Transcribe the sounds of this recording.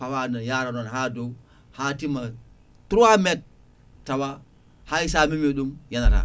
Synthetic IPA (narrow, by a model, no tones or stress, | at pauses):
awanajaɾanonhado | hatima | tuɾamet̚ː | awa | haisamimiɗumjanaɾa̰